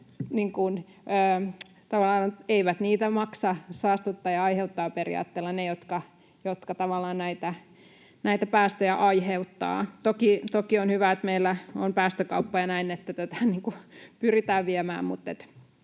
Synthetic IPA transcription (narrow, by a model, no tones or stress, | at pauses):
niːŋkun | øː | t̪ɑʋɑlːˑɑːneiʋæt̪niːt̪æmɑksɑsɑːst̪ut̪ːɑːjɑɑiheut̪ːɑːperḭjɑ̰ːt̪ːeːlːɑnejot̪kɑ | jot̪kɑt̪ɑʋɑlːˑɑːnnæit̪æ | næit̪æpæːst̪øjæʔɑiheut̪ːɑ̰ːt̪okit̪okionhyʋæet̪meilːæompæːst̪økɑ̰upːɑjɑnæinet̪ːæt̪æt̪æniːŋkupyrit̪æːʋʋiæmæ̰ːmmut̪ːḛt̪